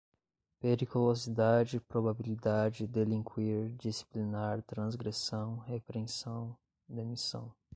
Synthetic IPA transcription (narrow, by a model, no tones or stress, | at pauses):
peɾikulozid̪ad͡ʒɪpɾobabilid̪ad͡ʒɪd̪elĩŋkwiɾd͡ʒisi̥plinaɾt̪ɾɐ̃zɡɾesɐ̃w̃hepɾẽsɐ̃w̃ | d̪emisɐ̰̃w̃